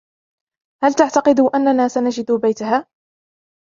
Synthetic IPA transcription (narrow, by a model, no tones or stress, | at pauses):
halt̪aʕt̪ɑqɨd̪ʊʔanːanaːsanad͡ʒɪd̪bajt̪aɦaː